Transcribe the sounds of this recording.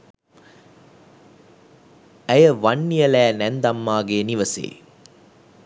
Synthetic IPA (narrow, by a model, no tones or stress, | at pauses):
ɐjɐʋɐnːijɐlæːnɛnd̪ɐmːaːɡeːniʋɐsḛː